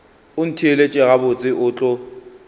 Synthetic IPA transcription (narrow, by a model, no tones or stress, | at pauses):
ʊn̩tʰielet͡ʃʼɪɣabʊt͡sʼɪʔʊːt͡ɬʼɔ